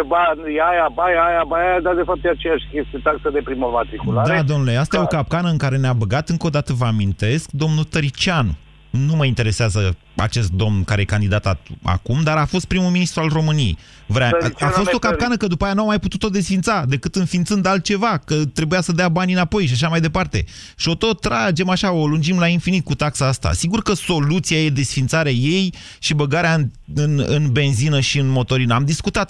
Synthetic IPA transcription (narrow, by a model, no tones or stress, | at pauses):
banjajabajajabajad̪ad̪e̞fap̚t̪jeatt͡ʃejaʃʲkʲe̞st̪ijet̪aksəd̪e̞pɾiməmat̪ɾikulaɾad̪o̞mnuleast̪ajeokap̚kanəɨŋkaɾe̞neabəɡat̪ɨŋkod̪at̪əvəamint̪e̞sk̚d̪o̞mnut̪əɾit͡ʃan | numəint̪e̞ɾe̞seazə | a̰t͡ʃe̞st̪̚d̪o̞mnkaɾejekand̪id̪at̪aa̰kumd̪aɾafo̞st̪̚pɾimuminist̪ɾualro̞mɨnijḛj | vɾeaafo̞st̪o̞kap̚kanəkəd̪upajanuamːajput̪ut̪o̞d̪e̞sfint̪sad̪e̞kɨt̪ɨnfint̪sɨnd̪alt̪̚t͡ʃe̞vakət̪ɾe̞bujasəd̪eabanʲɨnapo̞jʃ̬aʃ̬amajd̪epart̪e̞̰ | ʃio̞t̪o̞t̪ːɾad͡ʒe̞maʃao̞lund͡ʒimlainfinit̪̚kut̪aksaast̪a̰siɡurkəso̞lut̪siaje̞d̪e̞sfint̪saɾeaje̞j | ʃibəɡaɾeaɨn | ɨnɨ̰nbe̞nzinəʃiɨnmo̞t̪o̞ɾinəamd̪iskut̪at̪